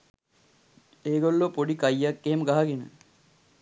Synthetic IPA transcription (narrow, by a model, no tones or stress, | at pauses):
eːɡolːopoɖikajːakːemɡaɦaɡenə̰